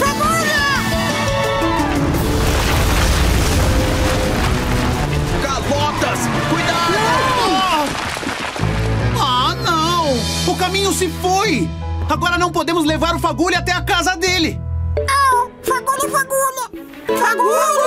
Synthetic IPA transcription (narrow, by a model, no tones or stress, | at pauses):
faɡulɐ | kabɔt̪ɐs | kujd̪ad̪ɔ | anɐ̃w̃ʊkamĩɲʊsɪfoj | aɡɔɾɐnɐ̃w̃pod̪ẽmʊzlevaɾʊfaɡulʊat̪ɛakazɐd̪elɪnɐ̃w̃ | faɡulɪfaɡulʊ | faɡul